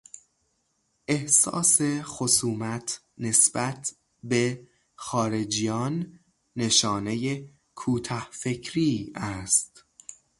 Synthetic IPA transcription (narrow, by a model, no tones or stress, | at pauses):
ʔe̞hsɒ̰ːse̞xosuːmæt̪ʰ | ne̞sbæt̪ʰ | be̞ | xɒːɾe̞d͡ʒijɒːnː | e̞ʃɒːne̞je | kʰuːt̪ʰɒhfe̞cʰɾiːæst̪